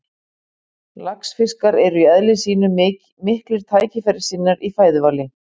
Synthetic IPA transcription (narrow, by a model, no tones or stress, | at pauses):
laksfɪskaɾɛɾʏiœðlɪsiːnʏ | mɪhklɪɾ̥t̪ʰaːjcɪfɛɾɪ̥siːnːaɾifaːjðʏvaːlɪ